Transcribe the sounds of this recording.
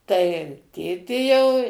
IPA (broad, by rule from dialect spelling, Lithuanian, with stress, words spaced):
tɐɪ ˈtʲeːtʲeː jɛʊ